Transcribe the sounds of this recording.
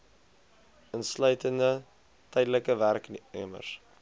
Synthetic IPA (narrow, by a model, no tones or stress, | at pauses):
ənslœɥtəndə | tɛjdələkəværknyəmə̰rs